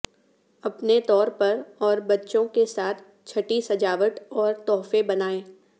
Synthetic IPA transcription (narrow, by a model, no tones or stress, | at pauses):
ɐpnet̪ɔːɾpɐɾɔːɾbɐtːʃõkesaːt̪ʰ | t͡ʃʰɐʈisɐd͡ʒaːʋəʈ̪ɔːɾt̪ɔːfebɐnaːẽː